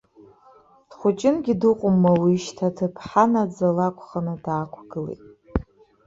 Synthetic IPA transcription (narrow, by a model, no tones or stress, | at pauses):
d̥χʷʊt͡ʃʼɪnɡʲidɨqʷʼʊmːawiʃtʰatʰɨpʰħanad͡zalakʷʰʼχanɨdaːkʷʰɡ̥ɨlḛjtʼ